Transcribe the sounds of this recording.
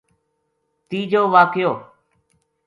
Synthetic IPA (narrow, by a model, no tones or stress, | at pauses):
t̪iːd͡ʒoːʋaːkjoː